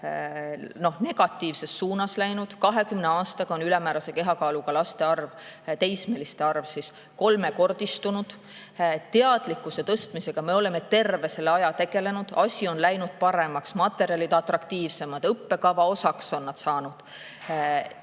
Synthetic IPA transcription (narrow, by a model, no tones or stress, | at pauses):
no̞hne̞ɡ̥ɑt̪ˑːiːvse̞sːuːnɑslæjnud̪̥kɑɦe̞kymneɑːst̪ɑɡ̥ɑo̞nylɛmæːɾɑse̞ke̞ɦɑkɑːluɡ̥ɑlɑst̪e̞ɑrvt̪e̞jsmelist̪eɑrvsis | ko̞lme̞ko̞rd̪̥ist̪unud̪̥ | t̪ːeɑd̪̥likːˑuse̞t̪ɤst̪mise̞ɡ̥ɑme̞o̞le̞me̞t̪e̞rve̞se̞leɑjɑt̪e̞ɡ̥e̞le̞nud̪̥ɑsʲio̞nlæjnud̪̥̚pɑɾe̞mɑksmɑt̪ːˑe̞ɾiɑlid̪ɑt̪rɑkt̪iːvse̞mɑd̪̥ɤpːe̞kɑvɑo̞sɑkso̞nːɑd̪̥sɑːnud̪̥